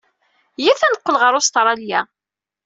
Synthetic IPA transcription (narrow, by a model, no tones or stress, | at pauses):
jiθænəqːəlʁəɾˤʊst̪ɾˤɑljæ